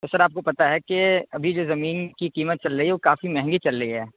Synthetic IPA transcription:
t̪osɐɾaːp̚kopɐt̪aɦɛkeɐbʱid͡ʒoːzɐmiːnkikiːmət̪̚t͡ʃɐlɾəiɦɛoːkaːfimɛɦɛ̃ŋɡit͡ʃɐlɾəiɦɛː

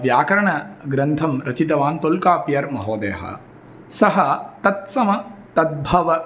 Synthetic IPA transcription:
ʋjaːkɐɾɐɳɐɡɾɐnt̪ʰɐmɾɐt͡ʃit̪ɐʋaːnt̪olkaːpijɐɾmɐɦoːd̪ḛːɦɐ̰ | sɐɦɐt̪ɐt̪̚sɐmɐt̪ɐd̪̚bʱɐʋɐ

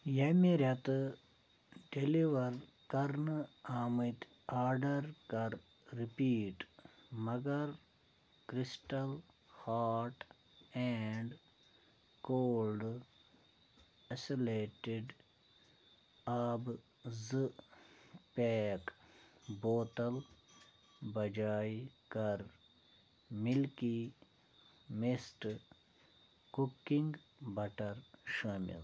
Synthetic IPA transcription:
jɐmiɾɐt̪ | ɖeliʋɐɾ | kɐɾnaːmit̪ | aːɾɖɐɾkɐɾ | ɾipiːʈmɐɡɐɾ | kɾisʈɐl | haːɾʈ | ɛɳɖ | koːlɖ | ɐsileːʈɪɖ | ab | zɨ | peːkboːt̪ɐl | bɐd͡ʒaːjkɐɾ | milki | misʈ | kukːĩŋɡ | bɐʈɐɾʃaːmḭl

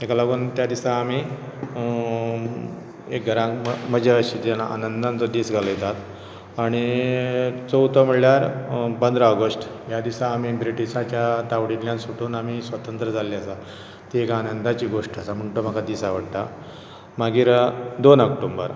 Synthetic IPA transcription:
ekalaɡuːnt̪jad̪isaːmi | ek̚ɡʱəɾãkməd͡ʑeəɕiːt̪alaʔa̰nənd̪ant͡səd̪iːsɡʱaləjet̪at̪ | aɽ̃i | t͡səwt̪əm̤iɽljaɾpənd̪ɾaəɡəsʈ | jad̪isaːmibɾiʈisat͡ɕjat̪aʋɽinljãnsuʈʰuːnamisʋət̪ənt̪ɾəd͡zʱaliasa | t̪iekaːnənd̪at͡ɕiːɡoʂʈəsam̤əɳʈəm̤akad̪iːsaʋəɽt̪a̰ | maɡiːɾd̪onəkʈombə̰ɾ

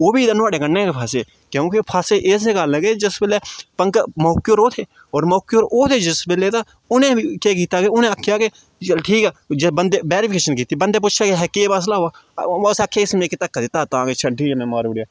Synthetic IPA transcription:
oːbiːd̪anʊaːɽeːkəɾneːkepʰaːseː | kõːkepʰaːseʔɪs̬ekaːlẽːked͡ʒɪsbɪleːpəŋkmɔːkijoːɾoːt̪ʰeː | ɔːɾmɔːkjoːɾoːt̪ʰeːd͡ʒɪsbɪleːt̪aː | ʊnẽːkeːk̬iːt̪aːkeʊnẽəkʰjaːke | ʈʰiːkɛːd͡ʒbənd̪ebeːɾipʰkeːʃənkiːt̪ːibənd̪eːp̬ʊt͡ʃʰaːkeɦɛkeːbaːs̬laɦoaːsakʰːeːɪsmẽːket̪əkːad̪ɪt̪ːaːt̪ãːket͡ʃʰaʈʰiːkɛmɛ̃maːɾuːɾjaː

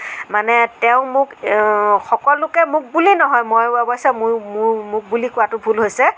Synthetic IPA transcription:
manɛtɛʊ̃mʊk | xɔkɔlːʊkɛmʊk̚bulinɔɦɔjmojɛbɔjsɛmʊɹmʊɹmʊk̚bulikʊwatʊbʱulɦojsɛ

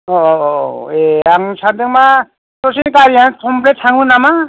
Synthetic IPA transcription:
ɔ | eaŋsad̪eŋma | sɔsinkaɾiankʰɔmpletʰaŋunama

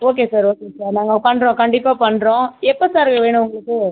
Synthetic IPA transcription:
oːk̬eːsaːɾoːkeːsaːɾnaːŋɡɐpɐɳɾõkɐɳɖɪpːaːpɐɳːɾõːɛpːosaːɾkɐʋeːɳ̃ʊ̃ʊŋɡɐɭɯkːɯ

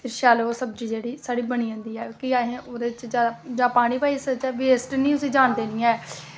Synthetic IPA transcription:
pʰɪɾʃaːloːsəb̚d͡ʒiːd͡ʒeːɽiːsaːɽiːbəñiːə̃ːnd̪iːɛːkiaːɦẽːʔoːd̪eːɪt͡ʃd͡ʒjaːd̪ad͡ʒãːpaːɽ̃iːpaːiːsət͡ʃɛːʋeːsʈnĩːʊsĩːd͡ʒaːɳd̪eːnɪjãɛː

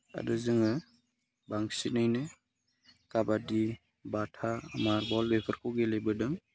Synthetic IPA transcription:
a̰dɯzɯŋɯ | baŋsinajnɯ | kabadi | batʰamaɾbɔlbepʰəɾkʰɔɡelejbɯdɯŋ

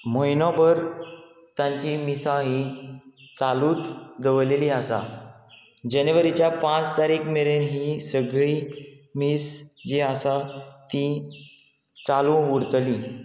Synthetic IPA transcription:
məjnɔbəɾ | t̪jãɲt͡ɕimisãɦi | t͡saluːt͡sd̪əʋleliəsa̰ | d͡ʑəneʋəɾit͡ɕjapãt͡st̪aɾiːkmeɭenɦisəɡɭiː | miːsd͡ʑeəsat̪i | t͡salũuɾt̪liː

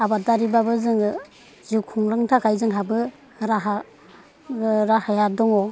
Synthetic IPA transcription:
abadaɾibabɯzɯŋɯ | zikʰuŋlɯŋtʰakajzɯŋɦabɯ | ɾaɦa | ɾahajadɔŋɔ

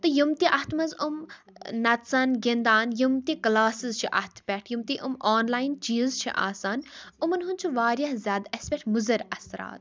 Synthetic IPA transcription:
t̪ɨjumt̪iʔɐht̪mɐzum | nɐt̪saːnɡind̪aːnjumt̪iklaːsɨzt͡ʃʰiʔɐ̰ht̪ʰpʲɛʈʰjumt̪iʔumoːnlaːjint͡ʃiːzt͡ʃʰḭʔa̰ːsaːnumɐnɦunt͡ʃʰuʋaːɾʲjɐhzʲjaːd̪ɐsʲpeʈʰmuzɐɾɐsɾa̰ːt̪̚

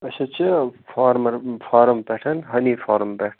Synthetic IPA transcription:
ɐʃɐt͡ʃʰifaːɾmɐɾfaːɾɐmpeːʈʰɐnɦɐniːfaːɾɐmpeːʈʰ

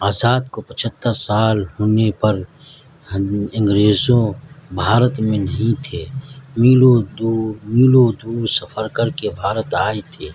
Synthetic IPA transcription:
aːzaːd̪̚kopət͡ʃʰət̪ːəɾsaːlɦoːnepɐɾ | ɪ̃ŋɡɾeːzõbʱaːɾət̪mẽnɐɦĩt̪ʰeːmiːlod̪umiːlod̪uːɾsəfʰəɾkəɾkebʱaːɾət̪aːet̪ʰeː

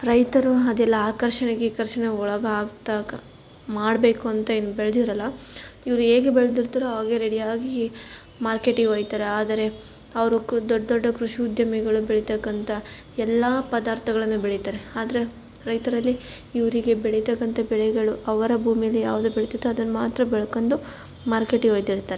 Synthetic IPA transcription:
ɾɐjt̪ɐɾuɐd̪ɛlːɐaːkɐɾʂɐɳeɡekɐɾʂɐɳeɔɭɐɡɐːɡt̪a | maːɽbe̞ːkuɐnt̪ɐeːnːubeɭɐd̪iɾɐlːɐiʋɐɾue̞ːɡebeɭɐd̪iɾt̪ɐɾuaːɡeɾeɽijaːɡi | maːɾkeʈioːjt̪aːɾeaːd̪ɐɾe̞ | ɐʋɐɾud̪ɔɖːɔɖːɐkɾuʂiud̪jɐmɛɡɐɭubɛɭit̪ɐkːɐnt̪ɐ | ɛlːɐpɐd̪aːɾt̪ʰɐɡɐɭɐnːubeɭit̪aːɾeaːd̪ɐɾe̞ | ɾɐjt̪ɐɾɐlːi | iʋɾiɡe̞bɛɭɛt̪ɐkːɐnt̪ɐbɛɭɛɡɐɭuɐʋɐɾɐbʱuːmijɐlːija̰ːʋud̪ubɛɭt̪id̪ːuɐd̪ɐnmaːt̪ɾɐbɛɭɐkond̪u | maːɾkeʈiɦoːjd̪iɾt̪ːaːɾe

